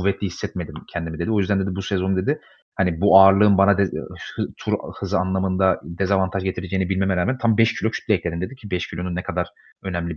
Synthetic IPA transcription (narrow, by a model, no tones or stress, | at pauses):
uvːɛt̪lʲihisːɛt̪me̞d̪imcʰɛnd̪imid̪ed̪io̞jyzd̪ænd̪e̞d̪ibusɛzo̞nd̪e̞d̪i | hanibuaːɾlˠɯːɯnbanad̪ɛht̪ʰuɾhɯzɯanlˠamɯnd̪ad̪ezavant̪ʰaʒɟe̞t̪ʰiɾed͡ʒeinibilʲmemɛɾaːmænt̪ʰambɛʃcʰilʲo̞cʰy̥t̪lʲiɛclʲe̞ɾind̪e̞d̪icʰibɛʃcʰilʲo̞nunːɛkʰad̪aɾ̥ | ø̞nɛmlʲib